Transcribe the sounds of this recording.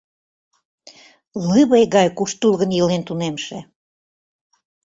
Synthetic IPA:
lɨβejɣɑjkuʃt̪ulɣənjɤlent̪unemʃe

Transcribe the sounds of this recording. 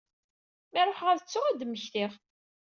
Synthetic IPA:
mæɾˤoħʁæðət͡sːʊʁæd̪mːəçθɪʁ

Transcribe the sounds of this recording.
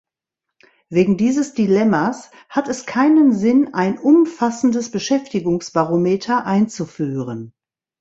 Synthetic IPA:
veːɡŋ̩diːzəsd̥ilɛmɐs | hatɛskʰaɪnənzɪnaɪnʔʊmfasn̩dəsb̥əʃɛftɪɡʊŋsb̥aʁomeːtʰɐʔaɪnt͡sufyːʁən

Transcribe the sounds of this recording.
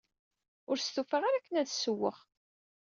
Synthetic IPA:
ʊɾst̪ufəʁaɾakːənæðsəwːəʁ

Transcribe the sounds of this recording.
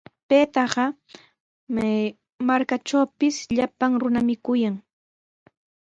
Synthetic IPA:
peːt̪ɑɢɑ | maɾkaʈ͡ʂawpɪsʎapaŋɾʊnamɪkʊjaŋ

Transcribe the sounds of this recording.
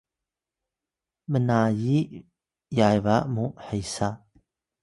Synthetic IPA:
mənaji | jajvamuħəjsa

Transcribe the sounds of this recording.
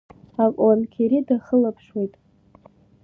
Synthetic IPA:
akʷʼwankʲʰiɾidaχəlapʰʂwejtʼ

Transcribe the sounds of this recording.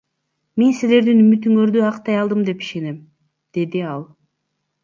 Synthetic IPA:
mensile̞ɾd̪inymyt̪yŋøɾd̪yɑqt̪ɑjɑlˠd̪ɯmd̪e̞pi̥ʃe̞nem | d̪̥e̞d̪iɑlˠ

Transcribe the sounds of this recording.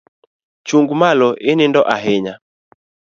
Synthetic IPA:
t͡ʃuŋɡumalɔʔinindɔʔaɦɛɲa

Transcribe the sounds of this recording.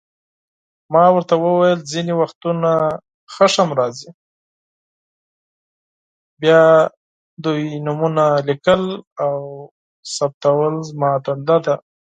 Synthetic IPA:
mɑwəɾt̪awəwajəlziniwaxt̪una | xəʂamɾɑzi | bjɑ | d̪ujnʊmunalikəlaw | sap̚t̪awəlzmɑd̪and̪ad̪a

